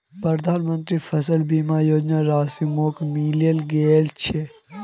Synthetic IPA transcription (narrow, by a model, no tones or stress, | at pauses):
pɾɐd̪ʱaːnmə̃nt̪ɾifʰɐsəlbiːmaːjoːd͡ʒnaɾaːsimoːkmiːlijəlɡeːlt͡ʃʰe